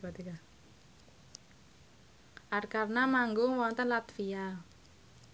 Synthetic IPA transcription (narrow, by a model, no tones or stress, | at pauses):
at̪ika | ʔarkarnamaŋɡʊŋwɔnt̪ənlat̪fija